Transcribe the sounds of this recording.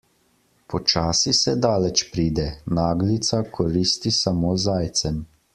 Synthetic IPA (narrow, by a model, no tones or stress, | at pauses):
pɔt͡ʃaːsisɛd̪aːlɛt͡ʃpɾiːd̪ɛnaːɡlit̪sakʰɔɾiːst̪isamoːzaːjt̪sɛm